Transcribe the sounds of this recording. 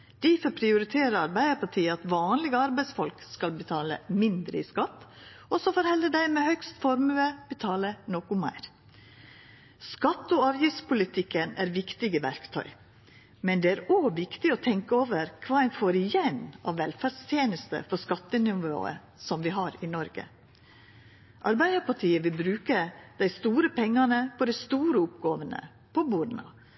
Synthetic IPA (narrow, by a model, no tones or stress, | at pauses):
d̪̥ifɔɾpʰɾɪʊɾɪt̪ʰeːɾəɾɑɾbæɪd̪əɾpɑʈʰiːəɑt̪ʋɑːnlɪɡəɑɾbæɪsfɔlkskɑlbət̪ʰɑːlə̰mɪnd̪ɾə̰ɪskɑt̪ː | ɔsɔfɔɾhɛləd̪æɪmɛhœkst̪fɔɾmʉəb̥ət̪ʰɑːlənoːkʊmæ̰ɪɾ | skɑt̪ːɔɑːʋjɪftspʊlɪt̪ʰɪkːənæːɾʋɪkt̪ɪɡəʋæɾkt̪ʰœ̰ʏ | mɛnd̪ɛːæːɾoːʋɪkt̪ɪɔt̪ʰɛŋkəoːʋəɾkʰʋɑːæɪnfoːɾɪjɛnɑ̰ʋʋɛlfæɖst̪ʰjeːnəst̪ə̰fɔskɑt̪ːənʏʋo̰ːə̰ | sɔmʋɪɦɑɾɪnɔɾɡə̰ | ʔɑɾbæɪd̪əɾpɑʈʰiːəʋɪlbɾʉːkəd̪̥æɪst̪uːɾəpʰɛŋːɑnəpʰɔd̪æɪst̪uːɾəʊpɡoːʋənə̰ | pʰɔbuːɾn̩ɑ̰